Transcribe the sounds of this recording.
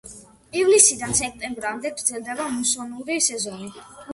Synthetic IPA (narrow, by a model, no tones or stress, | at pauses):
ivlisid̪ansɛk̚ʰt̪ʼɛmbɾamd̪ɛɡɾd̪zɛlˠd̪ɛbamusɔnuɾisɛzɔni